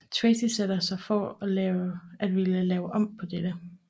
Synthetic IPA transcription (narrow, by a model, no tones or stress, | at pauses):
t͡sʰʋɛsiseɾɐsɑ̈ɪfɒælɛːʊʔæd̥ʋiləlɛːʊʔɒ̽m̰pʰɒ̽d̥ed̥ə